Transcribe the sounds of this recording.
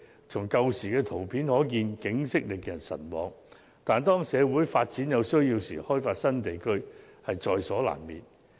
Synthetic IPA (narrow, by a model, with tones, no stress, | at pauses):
t͡sʰʊ˨˩ŋkɐ˧wsiː˨˩kɛː˧t̪ʰo˨˩wpʰiː˨˥nhɔː˨˥k̬iː˧nkɪ˨˥ŋsɪ˥k̚lɪ˨k̚jɐ˨˩nsɐ̰˨˩nwɔ̰ː˨˧ŋ | t̪aː˨nt̪ɔː˥ŋsɛː˨˧wuː˨˥jfaː˧t̚t͡siː˨˥njɐ˨˧wsɵ˥ɥjiː˧wsḭː˨˩hɔː˥jfaː˧t̚sɐ˥nt̪e˨jkʰɵ˥ɥhɐ˨jt͡sɔː˧jsɔː˨˥la̰ː˨˩nmiː˨n